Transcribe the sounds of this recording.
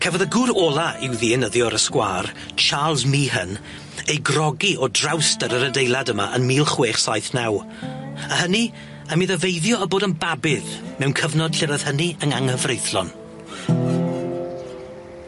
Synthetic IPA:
kʰɛvɔðəɡʊɾɔːlˠaɪwðiɛnəðjɔɾəskwa̰ːrt͡ʃʰaːlˠzmiːɦən | ejɡrɔɡiʔɔdrawstəɾəɾədejlˠadəma̰ʔənmiːlˠχweːχsajθnaw | əhəni | əmiðəvejðjɔəboːdənbabɪðmɛwnkʰəvnɔd̥ɬɪɾəð̥həniəŋaŋəvrejθlɔn

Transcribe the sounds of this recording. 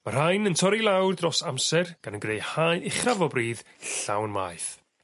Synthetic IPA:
mar̥hajnəntʰɔɾilˠawrdrɔsamsɛrɡ̥anənɡrejhajɪχavɔbriːð | ɬa̰wnma̰jθ

